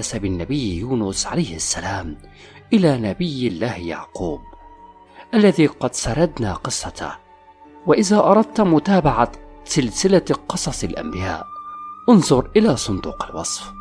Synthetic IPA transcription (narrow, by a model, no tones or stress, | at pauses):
asabɪnːabɪjːjuːnʊsʕa̰lajhasːalaːm | ʔɪlaːnabɪjːɪlːaːhja̰ʕquːb̚ | ʔalːaðiːqɑd̪sɑɾˤɑd̪na̰ːqɨsˤːɑt̪a̰ | waʔɪðaːʔɑɾˤɑd̪̚t̪mʊt̪aːbaʕasɪlsɪlaqɨsˤɑsˤɪlʔa̰mbɪja̰ːʔʔʊnðˤʊɾʔɪlasˤʊnd̪uːqalwɑsˤf